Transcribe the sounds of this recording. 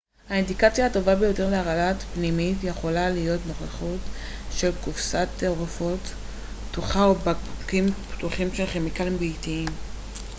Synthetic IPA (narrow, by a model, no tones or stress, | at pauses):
haind̪ikat͡sjahato̞vabe̞jo̞teʁleaʁalatpnimitje̞χo̞lalijo̞tno̞χeχutʃe̞lkufsat̪eoʁefo̞tː | uχaobakimptuχimʃelχemikalimbiːtiim